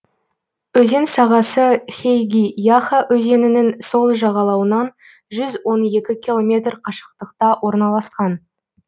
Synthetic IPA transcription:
ɵze̞nsɑʁɑsəχʲejɡʲijaχaʔɵze̞nɪnɪŋso̞lˠʒɑʁɑlˠɑwənɑn | ʒʏzwo̞ne̞kʲɪkʲilˠo̞mʲe̞t̪rqʰɑʃə̥q̚t̪əqt̪ɑwʔo̞ɾnɑlˠɑsqɑn

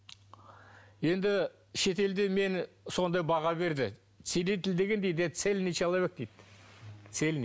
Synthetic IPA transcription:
je̞nd̪ɪ | ʃe̞t̪e̞ld̪eme̞n | so̞nd̪ɑjbɑʁɑbe̞ɾd̪ɪ | t̪selet̪ɪld̪e̞ɡʲe̞nd̪e̞jd̪et̪se̞lʲnet͡ʃeɑlˠɑβek̚t̪ejt̪ːt̪se̞ln

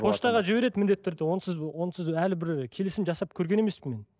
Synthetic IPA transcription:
pʰo̞ʃt̪ɑʁɑʒɪbe̞ɾe̞d̪mɪnd̪et̪ːeɾd̪ɪwo̞nəsɪzwo̞nəsɪzælɪbɪɾkʲʰe̞lɪsɪmʒɑsɑp̚kʲʰɵɾɡʲe̞ne̞me̞spɪme̞n

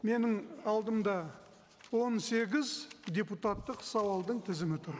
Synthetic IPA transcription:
me̞nɪŋɑlˠd̪əmd̪ɑ | wo̞nse̞ɡʲɪzd̪ʲe̞put̪at̪ːəqsɑwɑlˠd̪əɴt̪ʰɪzɪmɪt̪ʰʊɾ

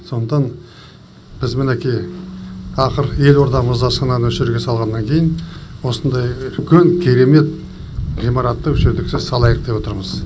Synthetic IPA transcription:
sond̪əqt̪ɑn | b̥ɪzmɪnekʲej | ɑqəɾje̞lo̞ɾt̪ɑʁəməzd̪ɑsɑnɑɵʃɪɾuɡʲe̞sɑlˠʁɑnːɑŋkʲʰe̞jɪnwo̞sənd̪ɑjʏlkʲʰeŋkʲʰe̞ɾe̞me̞t̪̚ | ʁijmɑɾɑt̪ːəɵʃɪɾd̪ɪksɪzsɑlˠɑjəqd̪e̞pwo̞t̪əɾməz̥

